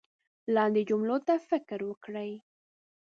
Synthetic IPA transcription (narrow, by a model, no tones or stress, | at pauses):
lɑnd̪ed͡ʒumlot̪afɪkɾwəkɽəj